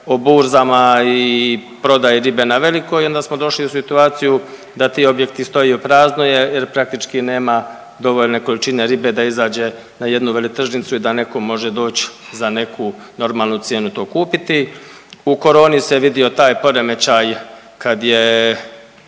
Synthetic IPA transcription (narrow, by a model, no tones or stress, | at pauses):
o̞buːɾzamaipɾo̞d̪ajiɾibe̞naʋe̞liko̞jo̞nd̪asmo̞d̪o̞ʃliusit̪uaːt̪siju | d̪at̪iːo̞bje̞kt̪ist̪o̞iupɾaːznoje̞jeɾpɾak̚t̪it͡ʃkine̞ːma | d̪o̞ʋo̞ʎne̞ko̞lit͡ʃine̞ɾibe̞d̪aizaːd͡ʑe̞ | naje̞d̪nuʋe̞lit̪r̩ʒnit̪suid̪ane̞ko̞mo̞ʒe̞d̪o̞ːt͡ɕzane̞kʰuno̞ɾmaːlˠnut̪je̞ːnut̪o̞ːkuːpit̪i | uko̞ɾo̞ːniseʋid̪io̞t̪aːjpo̞ɾe̞me̞t͡ɕaj | kad̪je